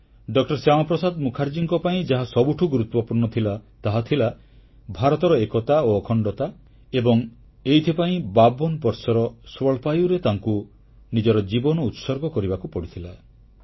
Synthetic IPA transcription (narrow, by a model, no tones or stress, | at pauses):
ɖɔkʈɔɾsjamɔpɾɔsad̪mukʰaɾd͡ʒiŋkɔpaĩd͡ʒaɦasɔbuʈʰuɡuɾut̪wɔpuɾnɔt̪ʰilat̪aɦat̪ʰila | bʱaɾɔt̪ɔɾɔekɔt̪aoɔkʰɔɳɖɔt̪a | ebɔŋ | ejt̪ʰipaĩbabɔnpɔɾsɔɾɔswɔɭpajuɾet̪aŋku | nid͡ʒɔɾɔd͡ʒibɔnɔut̪sɔɾɡɔkɔɾibakupɔɽit̪ʰila